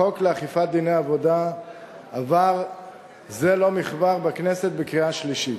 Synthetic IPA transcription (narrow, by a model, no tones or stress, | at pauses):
o̞kleaχifat̪̚d̪inejavo̞d̪a | avaʁ | zelo̞miχbaʁbakneset̪̚bekʁiaʃliʃit